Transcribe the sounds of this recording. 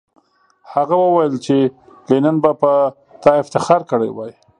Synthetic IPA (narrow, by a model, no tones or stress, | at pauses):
haɣawəwajəlt͡ʃelenanbapə | t̪ɑɪft̪ɪxɑɾkəɽa̰jwaj